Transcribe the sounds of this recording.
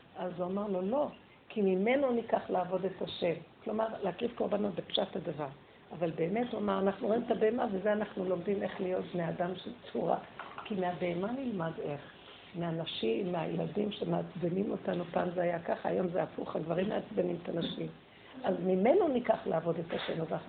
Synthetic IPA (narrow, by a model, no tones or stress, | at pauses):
ʔazuamaʁlo̞lo̞ | kʰimime̞no̞nikaχlaaːvo̞de̞taʃe̞mklo̞maʁleakʁifko̞ʁbano̞t̚bepʃathad̪avaʁ | avalbe̞ːme̞tuamaʁanaχnuʁimt̪abe̞emavezeanaχnulo̞mdime̞χlijo̞tbneadamʃelt͡suʁa̰kimeabe̞ːmanilmadeχ | meanaʃimːeajeladimʃemeat͡sbenimotanupanzeajakaχaa̰jo̞mzeafuχaɡvaʁimːeat͡sbenimetanaʃim | azmime̞no̞nikaχlaːvo̞de̞taʃe̞̰mazanaχnu